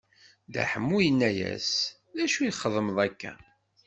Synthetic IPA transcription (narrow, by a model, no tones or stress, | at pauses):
d̪æ̰ħəmːujənːæjæ̰s | ðæʃujχːəðˤəməðˤækːæ̰